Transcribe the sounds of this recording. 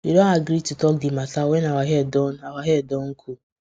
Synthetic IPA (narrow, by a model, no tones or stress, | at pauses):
idõaɡɾitutɔk̚dimasawɛnawaɦɛdɔnawaɦɛdɔŋ̩kʰu